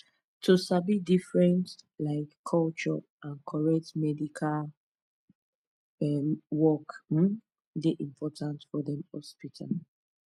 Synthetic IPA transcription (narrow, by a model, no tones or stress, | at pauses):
tʰusabidifɹɛ̃ntlaɪkʰːɔlt͡ʃɔ | ãnkʰɔɹɛtmɛdikʰal | ɛwɔk̩ | deʔĩmpʰɔtãntfɔdɛ̃mhɔ̰spitʰal